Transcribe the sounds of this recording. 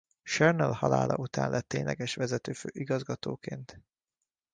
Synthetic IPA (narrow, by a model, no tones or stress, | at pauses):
ʃɛrnɛlhɒlaːlɒ̰ut̪a̰ːnlʔɛt̪ːeːɲlʔɛɡɛʃʋɛzɛt̪øːføːʔiɡɒzɡɒt̪oːkeːnt̪